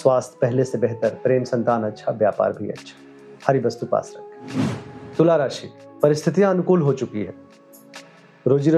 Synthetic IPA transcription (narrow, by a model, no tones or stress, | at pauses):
swaːst̪ʰpɛɦlesebɛɦt̪əɾpɾeːmsɐ̃nt̪aːnɐtːʃʰaʋjaːpa̰ːɾbʱiɐ̰tːʃʰḁ | hɐɾibɐst̪upa̰ːsɾɐ̰kʰ | t̪ʊlaːɾaːʃipɐɾɪst̪ʰɪt̪ijãɐnʊkuːlɦot͡ʃʊkiɦɛː | ɾoːd͡ʒiɾ